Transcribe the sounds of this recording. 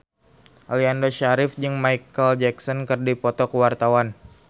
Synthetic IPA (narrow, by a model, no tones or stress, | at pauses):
ʔaliandoʃaɾɪfd͡ʒɨŋmaikəld͡ʒɛksɔnkərdipɔt̪ɔkəwart̪awan